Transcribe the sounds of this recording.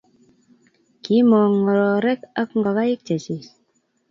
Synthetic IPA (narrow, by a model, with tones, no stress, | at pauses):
ki˨˦mɔ˨ŋːɔ˨ɾɔ˨ɾɛ˦ka˦kŋɡa˨ka˦i˦k̚t͡ʃe˨si˨s